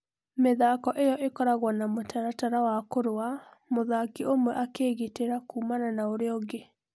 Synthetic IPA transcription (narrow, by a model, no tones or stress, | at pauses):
meðakɔʔejɔʔekɔɾaɣwanamotaɾataɾawakoɾoamoðakeomwɛʔakeːɣeteɾakuːmananaoɾeɔɡe